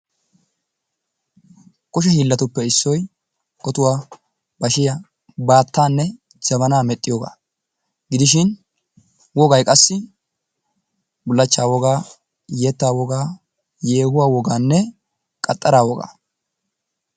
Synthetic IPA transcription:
kʊʃ̬ɛhiːlːɐt̪ʊpːɛɪsːɔj | ʔɔt̪ʊwaː | b̥ɐʃɪjɐ | baːt̪ːaːnːɛ | d͡ʒɐmɐnaːmɛt̪ʼːɪjoːɡa̰ː | ɡ̥ɪd̪ɪʃɪn | wɔɡɐjkʼɐsːɪ | bʊlːɐt͡ʃːaːwɔɡaː | jet̪ːaːwɔɡaː | jeːhʊwaːwɔɡaːnːɛ | kʼɐt̪ʼːɐɾaːwɔɡa̰ː

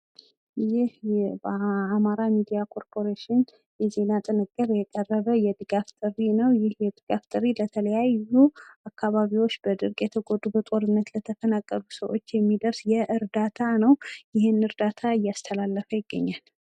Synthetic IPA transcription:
jɪhbəamaɾamid̪ijakʰo̞ɾpʰo̞ɾeʃɪn | jɛze̞nat̪ʼɨnɨkʼːəɾjɛkʼərːəβəjɛd̪ɨɡaft̪ʼɨrːinəwjɪhjɛd̪ɨɡ̥aft̪ʼɨɾːilət̪ʰələjajuakʰːaβaβiwo̞t͡ʃːbəd̪ɨɾkʼjɛt̪ʰəɡod̪ubət̪ʼo̞ɾɨnːət̪lət̪ʰəfənakʼːəlusəwʔo̞̰t͡ʃːjɛmːid̪əɾsjɛʔɨɾd̪at̪ʰanəwjɪhɪnnɨɾd̪at̪ʰaɨjːast̪ʰəlalːəfəjɪɡːə̰ɲːal

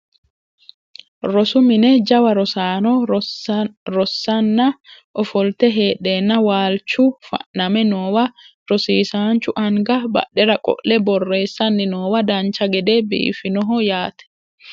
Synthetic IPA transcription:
ɾɔsʊmɪnɛd͡ʒɐwɐɾɔsaːnɔ | ɾɔsːɐnːɐʔɔfɔlt̪ɛɦeːɗːeːnːɐwaːlt͡ʃːʊfɐ̰ʔnɐmɛnoːwɐɾɔsiːsaːnt͡ʃʊʔɐŋɡɐbɐ̰ɗɛɾɐkʼɔ̰ʔlɛbɔrːe̞ːsːɐnːɪnoːwɐd̪ɐnt͡ʃɐɡɛd̪ɛbḭʔfɪnɔɦɔjaːt̪ɛ̥

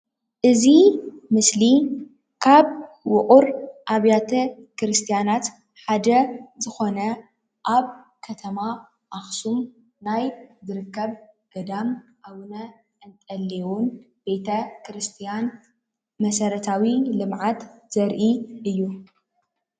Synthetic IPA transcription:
ʔɨzimɨsli | kʰaβ | wʊqʼuɾʔaβjat̪ʰɐ | kɾɨst̪ʰijanat̪ | ħad̪ɐzɨxo̞nɐ | ʔaβ | kʰɐt̪ʰɐma | ʔaxsum | najzɨɾɨkːɐβɡ̥ɐd̪amʔawnɐ | ʔɨnt̪ʼɐlːewun | b̥e̞t̪ʰɐkʰɾɨst̪ʰijan | mɐsɐɾɐt̪ʰawilɨmʕat̪z̥ɐɾʔiʔɨjːu

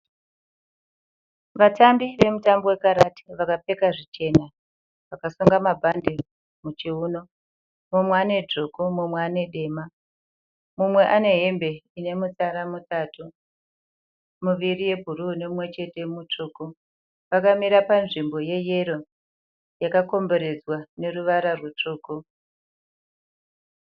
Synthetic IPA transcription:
ʋatambiʋe̞mutambo̞we̞kaɾati̥ʋakape̞kaʐit͡ʃe̞na | ʋakasuŋɡamabʱandi | mut͡ʃiuːno̞ | mumweane̞d͡ʐokomumweane̞ɗe̞ma | mumwe̞ʔane̞ɦe̞mbe̞ine̞mut͡saɾamutaːtu | muʋirije̞bʱurune̞mumwe̞t͡ʃe̞te̞mut͡ʂuːko | pakamiɾapanʐimbo̞je̞je̞ɾo̞ | jakako̞mbo̞ɾe̞d͡zwane̞ruʋaɾarwut͡ʂuːko

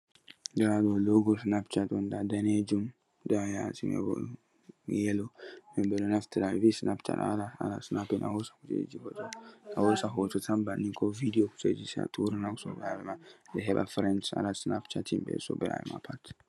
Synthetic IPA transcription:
daɾadɔloɡɔsnapt͡ʃatɔndadaned͡ʒum | dajasimɛ̰bɔ̰ | jɛlɔmɛbɛlɔnaftiɾavisnapt͡ʃa̰ta̰laa̰la̰snapinʔa̰hɔsḁkut͡ʃḛd͡ʒihɔtɔahɔsaɦɔtɔtambanːiŋkʰɔvidioku̥t͡ʃed͡ʒisa̰tʰuɾinaksɔbɛɾavɛmadɛɦɛba̰fɾɛntsa̰lasna̰pt͡ʃatimbɛ̰sɔ̰bɛɾa̰bɛ̰ma̰pʰat

